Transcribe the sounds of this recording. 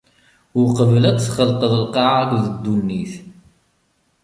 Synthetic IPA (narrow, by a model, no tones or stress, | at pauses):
ʊqəvəlæt͡sθχəlqəðəlqɑʕakʷðəd̪ːunːiθ